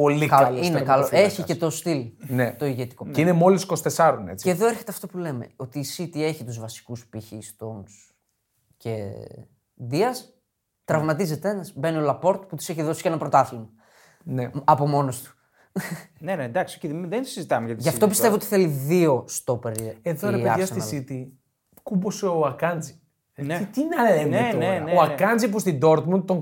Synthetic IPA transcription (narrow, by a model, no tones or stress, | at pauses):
polikɐɐinekɐloeçicet̪ost̪ilnet̪o̞iʝet̪i̥ko̞ceinemo̞lisi̥kost̪e̞sɐɾonḛt͡si̥eðo̞eɾçe̞t̪eɐft̪o̞pule̞me̞̰o̞t̪iːsit̪ie̞çit̪uzvɐsi̥kuspiçist̪ons | ce | d̪iɐs | t̪ɾɐvmɐt̪izet̪e̞nɐsbe̞niolɐpo̞ɾt̪put̪ise̞çiðo̞si̥cenɐpɾot̪ɐθimɐ | neɐpo̞mo̞nost̪u̥ | nenend̪ɐksiociððeni̥sizit̪ɐmeʝɐt̪iʝɐft̪o̞p̬ise̞voot̪i̥θe̞liðio̞st̪o̞peɾieðoɾeeɐɐst̪isit̪i | kuboseoɐkɐnd͡zi | neit̪inɐlemeneneoɐkɐnd͡zipust̪id̪o̞ɾt̪mun̚t̪oŋ